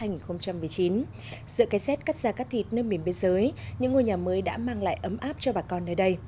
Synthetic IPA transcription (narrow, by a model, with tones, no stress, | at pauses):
aː˧jŋi˨˩nxo˧wŋ͡mt͡ɕa˧mɨ˨˩əjt͡ɕi˨˦n | zɨ̰˧˨ka˨˦jsɛ˦˥t̚ka˦˥k̚z̥aː˧˩kaː˦˥k̚t̪ʰi˨˩t̚nəː˧mi˨˧˩əmɓi˧nzəː˨˦jɲɨ̰˧˥ŋːu˧˩jɲaː˨˩məː˨˦jɗa̰ː˧˥maː˧ŋla̰ː˧˨jʔə˨˦mʔaː˦˥p̚t͡ɕɔ˧ɓaː˨˩kɔ˧nːəː˧jɗə˧j